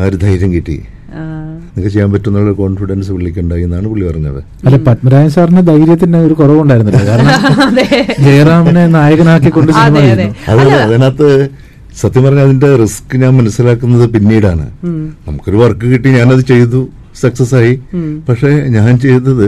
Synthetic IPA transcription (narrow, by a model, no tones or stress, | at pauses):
aɾud̪ʱɐjɾjɐmkiʈːḭ | niŋkːet͡ɕe̞jːaːmpɐtːunːoɭoko̞ːɳfiɽɐnsɨpeɭːikʲːuuɳɖaːjinːaːɳɨpoɭːipɐrɐɲːɐ̰ðḛ | ɐlːepɐʈmɐɾaːjɐsaːrinɐd̪ɐjɾjɐt̪ːindeo̞ɾukorɐʋuɳɖaːjiɾunːɨlːkaːɾɐɳɐm | d͡ʑejraːmnenaːjɐɣɐnaːkːikːo̞ɳɖɨsinimaːt͡ɕeːuɐ̰ðɨːɐðɐnaːt̪ːe | sɐt̪ːjɐmpɐrɐɲːɐðinde̞riskɨɲaːnmɐnɐsːilaːkːunːɐðɨpinːiːɽaːɳɨ̰nɐmukːo̞ɾuʋɐrkːɨkiʈːiɲaːnɐðɨt͡ɕe̞jt̪u | sɐksɐsaːjipɐkʂe̞ɲaːnt͡ɕe̞jnːɐðɨ